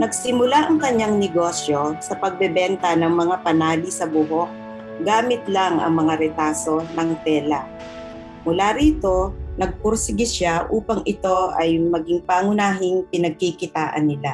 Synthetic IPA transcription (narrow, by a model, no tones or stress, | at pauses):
nɐɡ̚sɪmʊlaʔɐŋkɐɲːaŋnɛɡo̞sjo̞sɐpɐɡ̚bɛbɛnt̪ɐnɐŋmɐŋapɐnaːlisɐbʊɦo̞k̚ | ɡaːmɪt̪laŋɐ̰ŋmɐŋaɾɛt̪aːso̞nɐŋt̪ɛːla | mʊlaːɾiːt̪o̞nɐɡ̚pʊɾsɪɡɪʃaʔuːpɐŋʔɪt̪o̞ʔɐjmɐɡɪŋpaŋʊnaːɦɪŋpɪnɐɡ̚kikɪt̪aːʔɐ̰nːɪla